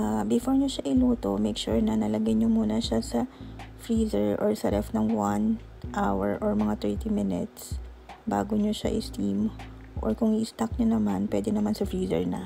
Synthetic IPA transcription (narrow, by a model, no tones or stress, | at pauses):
ʔbɪfoɹɲoʃaʔɪluːt̪o̞̰mɛjkʃṵɹnɐnɐlɐɡajɲomuːnɐʃasɐfɹiːzɛɹʔoɹsɐɾɛfnɐŋwan | ʔawɛ̰ɹʔoɹmɐŋat̪ɛɹt̪imɪnɛt̪s | ba̰ːɡoɲoʃa̰ʔɪ̰st̪im | ʔo̰ɹkʊŋɪʔɪst̪ak̚ɲonɐmanpwɛːd̪ɛnɐmansɐfɹiːzɛ̰ɹnɐ̰